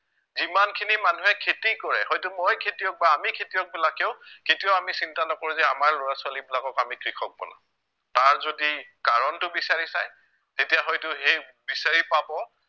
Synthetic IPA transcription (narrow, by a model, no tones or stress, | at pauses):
zimankʰinimanuɦɛkʰetikɔɹɛhɔjtʊmojkʰetijɔk̚baːmikʰetiɔk̚bilakɛʊkʰetijoamisintanɔkɔɹuzɛamaɹloɹaswalibilakɔkamikɹikʰɔk̚bɔ̰na̰ | taɹzodikaɹɔntʊbisaɹisaj | tetijaɦɔjtʊɦejbisaɹipabɔ